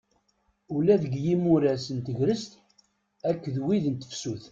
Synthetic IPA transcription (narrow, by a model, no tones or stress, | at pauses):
ʊlæðəɡjimuɾæsənt̪əʝɾəst̪ | ækːðwiðənt̪ə̥fsuθ